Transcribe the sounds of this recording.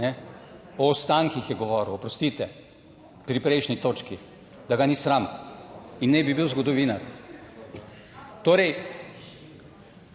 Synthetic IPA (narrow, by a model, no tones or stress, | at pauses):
nɛɔɔst̪aŋkixjɛɡɔʋɔːɾuwɔpɾɔst̪it̪ɛ | pɾipɾɛɪʃnit̪oːt͡ʃki | d̪aɡanisɾam | inːɛbibiwzɡɔd̪ɔʋiːnaɾ | t̪oːɾɛj